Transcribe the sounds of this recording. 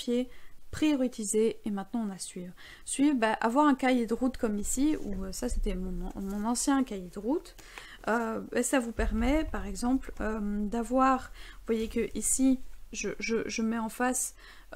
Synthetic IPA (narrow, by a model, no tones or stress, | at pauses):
jepχijɔʁit̪izeːmɛ̃t̪nɑ̃ɔ̃nasɥivʁ | sɥivbaʔavwaʁɛ̃kajed̪əʁut̪kɔmisiuøsase̥t̪ɛmɔ̃mɔ̃nɑ̃sjɛ̃kajed̪əʁut̪ | øbɛslavupɛʁmɛpaʁɛɡzɑ̃plømd̪avwaʁvwajekəʔisiʒəʒəʒəmɛɑ̃fas